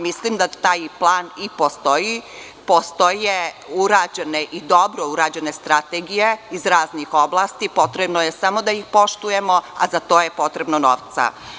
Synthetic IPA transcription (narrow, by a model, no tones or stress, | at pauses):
mislimd̪at̪aːjplˠaːnipost̪oji | post̪oje | uɾaːd͡ʑeneʔid̪o̞bɾouɾaːd͡ʑene̞st̪ɾat̪eːɡijeizɾaːznixo̞blˠaːst̪ipo̞t̪ɾebnojesamo̞d̪ajixpo̞ʃt̪uje̞mo̞a̰zat̪oːje̞po̞t̪ɾebnono̰ːʋt̪sa̰